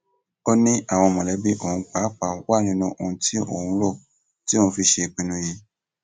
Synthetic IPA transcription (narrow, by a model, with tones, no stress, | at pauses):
o˦nĩ˦ʔa˦˨w̃ɔ̃˧mɔ̃˨lɛ˨˦bi˦ʔo˦˨ũ˧k͡pa˨˦k͡pa˨˦wa˦˨nĩ˦nũ˧˦ʔo˧˨ũ˧˦tʰi˦o̰˦˨ũ˧˦lo˦˨ | ti˦o˦ũ˧fi˧ʃe˧k͡pĩ˨˧nũ˧˦ji˧